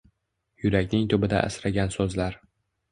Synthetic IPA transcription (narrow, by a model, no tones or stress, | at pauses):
jʊɾakʲnɪŋt̪ʰʊbɪd̪a̰ʔːsɾaɡʲansɵzlaɾ